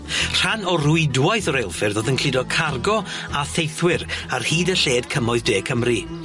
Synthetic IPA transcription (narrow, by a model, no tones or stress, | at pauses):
r̥anɔrujdwajθɔɾejlˠfɨrðoːðənkʰl̥ɪdɔkʰarɡɔ | aθejθwɪɾarhiːdəɬeːdkʰəmɔɨðdeːkʰəmri